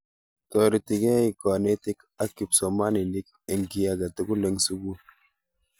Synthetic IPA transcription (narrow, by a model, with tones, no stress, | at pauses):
tɔ˨ɾi˨ti˨ɡɛ˦i˨kɔ˨ne˦ti˦k | a˦kːi˨psɔ˨ma˦ni˨ni˦k̚ | e˨ŋɡi˨ja˦ɡa˨tu˨ɡu˦le˨˦ŋsu˦ɡu˦